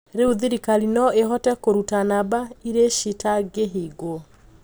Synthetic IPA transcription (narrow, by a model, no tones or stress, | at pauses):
ɾeuðiɾikalinɔeɦɔtɛkoɾutanabaiɾeʃitaɡeɦiɡo